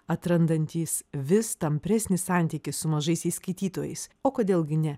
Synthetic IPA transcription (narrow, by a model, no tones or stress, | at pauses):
ɐt̪ɾɐnd̪ɐnʲt̪ʲiːsʋʲɪst̪ɐmʲpʲɾʲɛsʲnʲɪssɑˑnʲt̪ʲiːkʲɪssʊmɐʒɐɪsiːskɐɪt̪ʲiːt̪oːjɛ̰ɪsoːkoːd̪ʲeːlˠɡʲɪnʲɛ